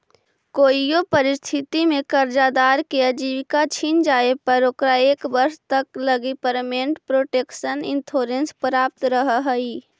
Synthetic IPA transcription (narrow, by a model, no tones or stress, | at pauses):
koːijopəɾɪst̪ʰɪt̪imẽkəɾd͡ʒad̪aːɾkeəd͡ʒiːʋkat͡ʃʰind͡ʒaːepəɾokɾaeːkbɐɾst̪əkləɡipəɾmẽːɳʈpɾoːʈeːkʃənɪ̃nt̪ʰoːɾẽnspɾaːp̚t̪ɾəɦɦəiː